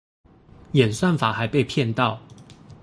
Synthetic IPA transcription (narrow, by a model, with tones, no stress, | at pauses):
jɛ˨˩nswa˥˨nfa˨˩xa˨˧˦ɪpe˥˧ɪpʰjɛ˥˨nt̪ɑ˥˨ʊ